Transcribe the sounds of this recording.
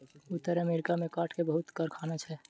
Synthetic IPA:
ut̪ːəɾəmeɾikamekaʈʰkebəɦut̪kəɾkʰanat͡ʃʰɛ

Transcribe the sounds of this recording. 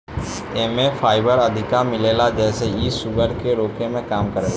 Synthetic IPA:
eːmefʰaːɪbəɾəd̪ʱɪkamɪleːlad͡ʒɛːseisʊɡəɾkeɾoːkemẽkaːmkəɾeːl

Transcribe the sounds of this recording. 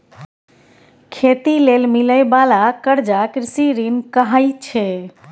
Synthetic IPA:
kʰet̪ilelmiləjbalakəɾd͡ʒakɾisiɾinkəɦajt͡ʃʰɛ

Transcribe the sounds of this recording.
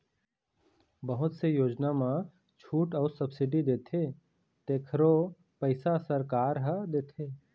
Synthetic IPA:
bəɦʊt̪sejoːd͡ʒnamã | t͡ʃʰuːʈɔːɾsɐbsɪɖid̪eːt̪ʰeː | t̪eːkʰɾo | pəɪsasəɾkaːɾɦəd̪eːt̪ʰeː

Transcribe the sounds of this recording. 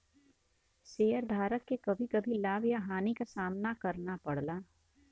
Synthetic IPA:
ʃeːəɾd̪ʱaːɾəkːekɐbʱikɐbʱilaːbjaɦaːnikasaːmnakɐɾnapɐɽlaː

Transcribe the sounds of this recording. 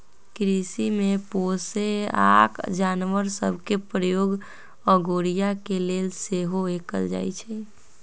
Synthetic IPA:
kɾisimeposea̰kd͡ʒanʋəɾsə̰bʱkepɾəjoɡ | əɡoɾijakelelseɦoekəld͡ʒa̰jt͡ʃʰɛ

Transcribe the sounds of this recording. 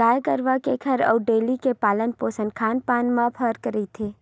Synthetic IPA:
aːjkəɾʋakekʰɐɾɔːɖeːlikepaːlənpoːsə̃nkʰaːnpaːnmãpʰəːɾkəɾit̪ʰeː

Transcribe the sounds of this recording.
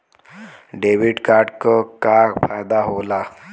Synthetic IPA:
ɖeʋiɖkaɾʈkəkaɾfajd̪aɦola

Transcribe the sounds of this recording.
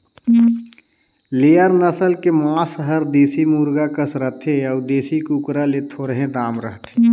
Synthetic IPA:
leːjəɾnəsəlkemoasəɦəɾd̪eːsimuːɾɡakəsɾəɦt̪ʰeɔːɾd̪eːsikukɾalet̪ʰoːɾɦẽd̪aːmɾəɦt̪ʰe

